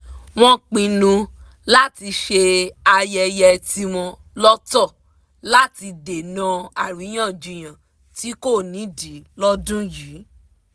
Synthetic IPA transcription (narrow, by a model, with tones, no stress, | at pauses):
w̃ɔ̃˦k͡pĩ˧nũ˧ | la˦ti˧ʃe˧a˧jɛ˧jɛ˧ti˧w̃ɔ̃˧ | lɔ˦tɔ˦˨ | la˦ti˧de˨nã˨˦a˨ɾi˨˦j̃ã˦˨d͡ʒu˨˧˨j̃ã˨ | ti˦ko˦˨nĩ˨˦di˨˦lɔ˦dũ˦jiː˨˦